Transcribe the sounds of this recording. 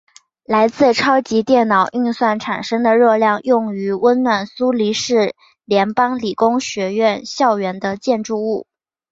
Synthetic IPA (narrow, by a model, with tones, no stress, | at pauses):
la˧˥ɪt͡sɹ̩˥˩ʈ͡ʂʰɑ˥ʊt͡ɕi˧˥t̪jɛ˥˩nnɑ˨˩˦ʊʔy˥˧nswa˥˩nʈ͡ʂʰa˨˩nʂɤ˥ŋd̪ə˨ɻɤ˥˧ljɑ˥˧ŋjʊ˥˩ŋy˧˥wə˥nnwa˥˩nsu˥li˧˥ʂɻ̩˥˩ | ljɛ˧˥npɑ˥ŋli˨˩kʊ˥ŋɕɥɛ˧˥ɥɛ˥˧nɕjɑ˥˩ʊɥɛ˧˥nd̪ə˧t͡ɕjɛ˥˧nʈ͡ʂu˥˧u˥˩